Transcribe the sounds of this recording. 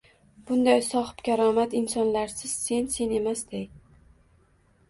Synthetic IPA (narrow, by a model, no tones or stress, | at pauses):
b̥ʊnd̪ajsɒχpkʲʰaɾɒmat̪ɪnsɒnlaɾsɪz̥se̞nse̞ne̞masd̪ej